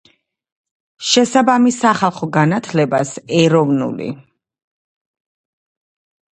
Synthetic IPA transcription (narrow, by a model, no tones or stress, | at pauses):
ʃɛsabamisaχalˠχɔɡanat̪ʰlɛbasɛɾɔvnṵlḭ